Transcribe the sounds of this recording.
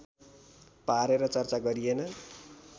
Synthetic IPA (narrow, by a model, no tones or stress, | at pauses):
paɾeɾʌt͡sʌrt͡saɡʌɾijenʌ